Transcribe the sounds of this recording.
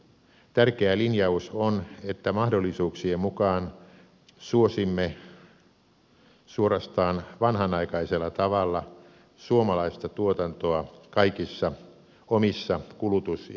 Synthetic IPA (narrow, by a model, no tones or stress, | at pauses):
t̪ærkeælinjɑusonet̪ːæmɑhdolːisuːksiemukɑːn | suosimːe | suorɑst̪ɑːnʋɑnhɑnɑikɑiselːɑt̪ɑʋɑlːɑ | suomɑlɑist̪ɑt̪uot̪ɑnt̪oɑkɑikisːɑ | omisːɑkulut̪us